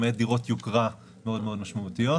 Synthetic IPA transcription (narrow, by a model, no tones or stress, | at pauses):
met̪̚d̪iʁo̞t̪jukʁa | meo̞d̪meo̞d̪maʃmaut̪ijo̞